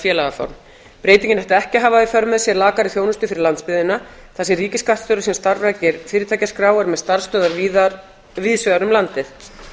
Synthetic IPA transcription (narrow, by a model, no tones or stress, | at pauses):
fjɛːlaɣafa̰wɾm | pɾeːjt̪iɲcɪnhɛft̪aɛhcɪɦaːvaifœɾmːɛðsjɛɾlaːkaɾɪθjoːwnʏst̪ʏfɪɾɪɾlant̪spɪðɪna | θasɪriːcɪskaht̪st̪œːɾasimst̪aɾvacɪɾfɪːɾɪt̪ʰaːjcaskɾaːwaɾmɛðst̪aɾ̥st̪œːðaɾviːða | vɪːðsvɛðaɾʏmlant̪ɪθ